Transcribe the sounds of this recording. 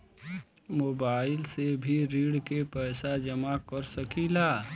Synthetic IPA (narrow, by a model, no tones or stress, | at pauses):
moːbaːɪlsebʱiɾiːɽkepɛːsad͡ʒəmakəɾsəkilaː